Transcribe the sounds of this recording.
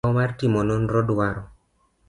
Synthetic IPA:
ɔmartimɔnɔnɾɔdwaɾɔ

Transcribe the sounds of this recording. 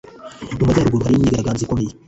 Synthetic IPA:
dumazaɾuɡuɾuhaɾiɲiːɡaɾaɡaːnzikomeje

